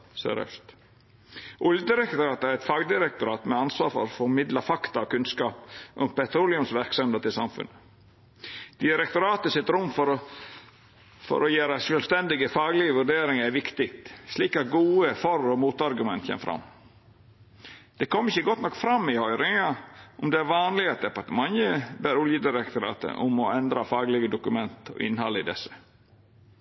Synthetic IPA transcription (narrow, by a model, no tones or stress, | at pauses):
sø̰ːɾœ̰st̪ | ʔʊljəd̪ɪɾɛkt̪ʊɾɑːt̪æɾɛt̪fɑɡd̪ɪɾɛk̚t̪ʊɾɑːt̪mɛɑnsʋɑ̰ːɾfɔ̰ɾɔfɔɾmɪd̪lɑfɑkt̪ɑɔkʉnskɑːpʔɔmpɛt̪ɾuːlɪʊnsʋæɾksɔmheːd̪ət̪ʰɪlsɑ̰mfʉ̰nə | d̪̥ɪɾɛkt̪ʊɾɑːt̪əsɪt̪ɾʊmːfɔɾɔ | fɔ̰ɾɔjeːɾəsœlst̪ɛnd̪ɪɡəfɑːɡlɪəʋʉɖeːɾɪŋɑɾæɾʋɪkt̪ɪk̚t̪sliːkɑt̪̚ɡuːəfɔɾɔmuːt̪ɑɾɡʉmɛnt̪çɛ̰mfɾɑ̰mː | d̪̥ɛkʰɔmːɾɪçːəɡɔt̪ːnɔkːfɾɑmːɪhœʏɾɪŋɑʔʊmd̪ɛæɾʋɑːnlɪɡɑt̪̚d̪ɛpɑɾt̪əmɑnjəbæːɾʊljəd̪ɪɾɛk̚t̪ʊɾɑ̰ːt̪ə̰ʔʊ̰mɔɛnd̪ɾɑfɑːɡlɪɡəd̪ʊkʉmɛnt̪ɔ̰ʔɪ̰nːhɑlːəɪd̪ɛsə̥